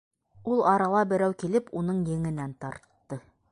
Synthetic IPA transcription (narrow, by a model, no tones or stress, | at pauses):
ulˠɑɾɑlˠɑbɘ̆ɾæwkilɘpunɤɴjɘ̆ŋɘ̆nænt̪ɑɾt̪ːɤ